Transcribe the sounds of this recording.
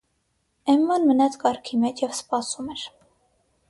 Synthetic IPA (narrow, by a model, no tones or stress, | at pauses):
ɛmːɑnmənɑt͡sʰkɑɾkʰimɛt͡ʃʰjɛvspɑsumɛɾ